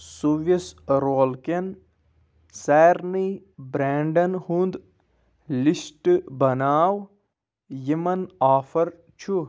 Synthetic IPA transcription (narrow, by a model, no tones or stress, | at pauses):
suʋɐsɾoːlken | sɛːɾnibɾeːɳɖɐnhund̪ | lisʈbɐnaːw | jimɐnaːfɐɾ | t͡ʃʰu